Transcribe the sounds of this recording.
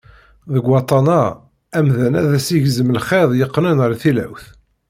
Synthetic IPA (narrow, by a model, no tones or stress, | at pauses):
ðəɡwɑt̪ˤɑnɑ | æmðænæðæsiʝzəmlχeðˤjəqːnənɾθilæ̰wθ